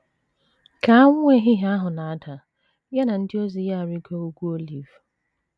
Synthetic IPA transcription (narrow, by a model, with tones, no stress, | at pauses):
ka˨a˦ŋ˦e˦ɦɪ˦ɦa˦ɦʊ˨na˨a˦ta˨ | ja˦na˨n̩˦dɪ˦o˦zi˨˦ja˦˨a˨ɾi˦ko˦u˦kʷu˦o˦li˨v